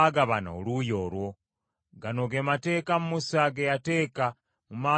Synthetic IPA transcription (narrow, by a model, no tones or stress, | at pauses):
aɡaβana̰ːlujo̞ːɾwo̞ | ɡano̞ɡemate̞ːkamumusaɡejate̞ːka | mumaː